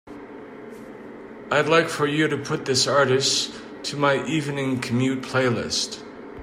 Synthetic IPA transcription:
aɪdˡlaɪkfə˞jɨɾɨpʰʊt̪̚ðɪsɑɹɾɨs | tʰɨmaɪʔivnɪ̃ŋkʰɨmjʉt̚pʰl̥eɪlɪ̰st

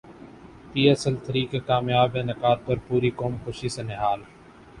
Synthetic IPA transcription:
piːəsəlt̪əɾiːkekaːmjaːbẽːnɐkaːɾ̚pɐɾpuːɾikoːmkoʃiseneɦaːl

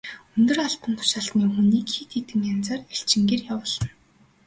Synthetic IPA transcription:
ɵnt̪ɵ̆raɬt̪ə̆nt̪ʰʊ̥ʃaɬt̪niːxuniːkxiːt̪ʰet̪ɘ̆mjant͡saːreɬt͡ɕɪ̆ŋɡeːrjawʊːɮə̆n

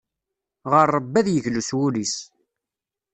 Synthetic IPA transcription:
ʁəɾˤːəbːæðjəʝluswulis

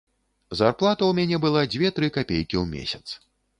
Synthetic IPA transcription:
zarplˠat̪ɐwmʲanʲɛbɨlˠad͡zʲvʲeɛt̪ɾɨkapʲejkʲiwmʲḛsʲɐt̪s

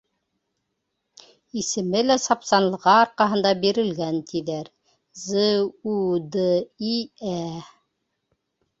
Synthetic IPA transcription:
isɘ̆mɘlæsɑpsɑnlˠɤ̆ʁɑːɾqɑɦɤ̆nd̪ɑbiɾɘ̆lɡænt̪iðæɾ | zəud̪əiæ

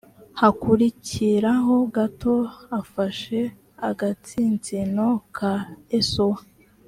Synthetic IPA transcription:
hakuɾiciɾaɦo̞ɡato̞afaʃe̞ | aɡat͡siːnzino̞kʰaesowa

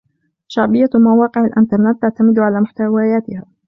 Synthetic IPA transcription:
ʃaʕbɪjːamawɑːqɪʕalʔɪnt̪ɑɾˤnɪt̪ːaʕt̪amɪd̪ʕalaːmʊħt̪awaːjaːt̪ɪhaː

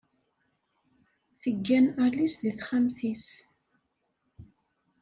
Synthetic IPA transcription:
θəɡːænælisðiθχæmθis

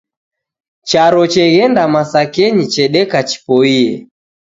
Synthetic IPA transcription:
t͡ʃaɾɔt͡ʃɛɣɛndamasakɛɲit͡ʃɛɗɛkat͡ʃi̥pɔiɛ

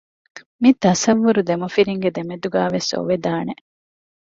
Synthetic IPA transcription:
mit̪ɐsɐʋːuɾud̪emɐfiɾiŋɡed̪emed̪uɡæːʋeso̰ʋed̪aːne

